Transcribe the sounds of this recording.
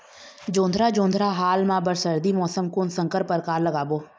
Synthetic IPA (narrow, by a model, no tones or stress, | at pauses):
d͡ʒõːnd̪ʱɾaːd͡ʒõːnd̪ʱɾaɦaːlmãːbəɾsəɾd̪imɔːsəmkʊnsə̃ŋkəɾpəɾkaːɾləɡaːboː